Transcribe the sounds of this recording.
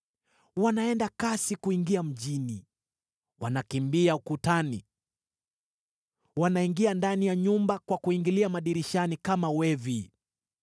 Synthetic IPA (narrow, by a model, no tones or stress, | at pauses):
wanaɛndakasikuiŋɡiam̩ʄini | wanakimbiaukutani | wanaiŋɡiandanijaɲumbakwakuiŋɡiliamaɗiɾiʃanikamawɛvi